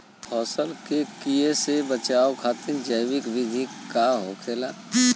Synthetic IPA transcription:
pʰɔːsəlkekijesebət͡ʃaːokʰaːt̪ɪnd͡ʒəjwɪkʋɪd̪ʱikaɦokʰeːlaː

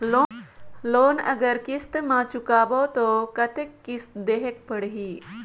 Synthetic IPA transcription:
loloːnɐ̰ɡəɾkist̪mãt͡ʃukaːboːt̪okɐt̪ekːɪst̪d̪eːɦek̚pəɽɦiː

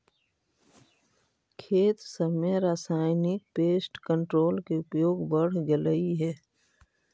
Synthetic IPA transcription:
kʰeːt̪səmeɾaːsaːɪnɪk̚peːsʈkə̃ɳʈɾoːlkeʊpjoːɡbəɽ̤ɡeləiɦɛː

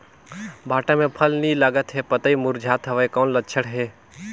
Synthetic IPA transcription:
bʱaːʈamẽpʰɐlnilaɡət̪ɦɛpɐt̪əimʊɾd͡ʒʱaːt̪ɦɐʋaekɔːnlətːʃʰəɽɦɛː

